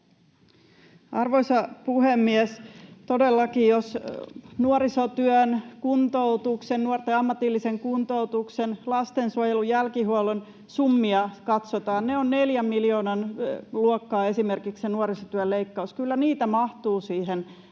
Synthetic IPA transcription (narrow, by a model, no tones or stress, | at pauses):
ʔɑrʋoisɑpuhemːiɛst̪odelːɑkijjosnuoɾisot̪yønkunt̪out̪uksennuort̪eɑmːɑt̪ilːiseŋkunt̪out̪uksenlɑst̪ensuojelujælkiɦuolen | sumːiɑkɑt̪sot̪ɑːnneonneljæmːiljoːnɑnluokːɑːe̞simerkikssenuoɾisot̪yølleikːɑuskylːæniːt̪æmɑht̪uːsiːhen